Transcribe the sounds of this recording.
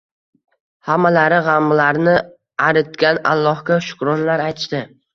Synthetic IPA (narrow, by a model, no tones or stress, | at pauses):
hamːalaɾɪʁamːlaɾnɪ | aɾɪt̪kʲana̰lˠːɒhkʲaʃʊ̥kɾɒnlaɾajt̪ʰɪʃd̪ɪ